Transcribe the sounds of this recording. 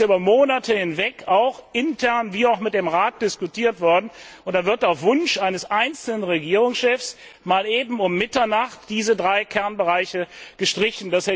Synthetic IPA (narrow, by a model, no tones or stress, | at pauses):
ʔyːbɐmoːnatʰəhɪnvɛkaʊxʔɪntʰɛɐnviːaʊxmɪt̚d̥eːmʁaːt̚d̥ɪskutʰiːɐtv̥ɔɐdn̩ʔʊntd̥avɪɐtaʊfv̥ʊnʃʔaɪnəsʔaɪnt͡sl̩nənʁeɡiːʁʊŋsʃɛfsmaːleːbm̩ʊmːɪtɐnaχtd̥iːzədʁaɪkʰɛɐnbəʁaɪçəɡ̥əʃtʁ̥ɪçn̩dase